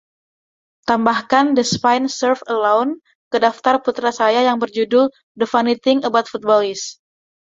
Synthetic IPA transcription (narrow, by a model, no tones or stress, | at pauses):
t̪ambahkandəspajnsərfəlawn | kədaft̪arput̪ɾasajajaŋbərd͡ʒudʊl | dəfanit̪ɪŋəbat̪̚fut̪̚bɔlɪs